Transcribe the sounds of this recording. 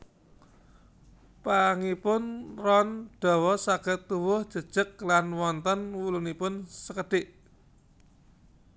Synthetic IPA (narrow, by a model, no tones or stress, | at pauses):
paŋipʊnrɔnɖ̥ɔ̤wɔsaɡ̥ə̤t̪ːuwʊhd̥ʒ̥ə̤d̥ʒ̥ə̤k̚lanwɔnt̪ənwulunipʊnsəkəɖ̥ɪʔ